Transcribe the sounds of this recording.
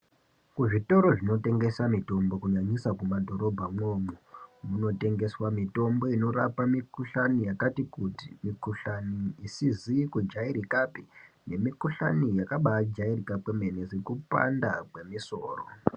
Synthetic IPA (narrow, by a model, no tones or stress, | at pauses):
kuʐito̞ɾo̞ʐino̞te̞ŋɡe̞samito̞mbo̞kuɲaɲisakumadʱo̞ɾo̞bʱamoːmomuno̞te̞ŋɡe̞swamito̞mbo̞ino̞ɾapamikuɬanijakatikuti̥mikuɬaniisizikud͡ʒaiɾikapi̥ | ne̞mikuɬa̰nijakaɓad͡ʒairikapweme̞nezikupa̰ndakwe̞miso̞ːro̰